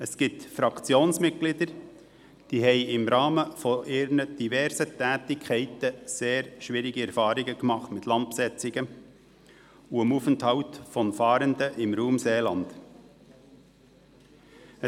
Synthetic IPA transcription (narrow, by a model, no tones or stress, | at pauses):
əsɡ̥ɪtfɾɑkt͡sjoːnsmɪt̚ɡ̥lɪd̪əɾ | d̥iɦɛɪɪmɾɑːməfɔʔɪːɾnəd̥ivɛɾsətɛːtɪkʰɛɪtəseːɾʃʋiːɾɪɡəɛɾfɑːɾɪɡəkmɑχtmɪtlɑnt̚psɛt͡sɪɡə | uəmuːfənthɑʊtfɔnfɑːɾəndəʔɪmɾuːmseːlɑnd̥ | ə